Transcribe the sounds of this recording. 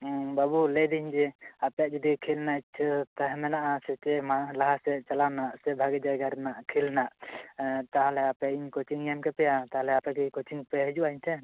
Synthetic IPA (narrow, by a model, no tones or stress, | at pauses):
babulɛd̪iɲd͡ʒɛapjaʔ̚d͡ʒɔd̪ikʰilnat͡ʃʰt̪aɦmɛnaʔasɛt͡ʃɛmalaɦasɛt͡ʃalawnaʔsɛbʱaɡɛd͡ʒajɡaɾnaʔkʰilnaʔ | t̪aɦlɛapjaʔiɲkot͡ʃiŋjamkɛpɛjat̪aɦlɛapakikot͡ʃiŋpɛɦɛd͡ʒuwaiɲtʰɛ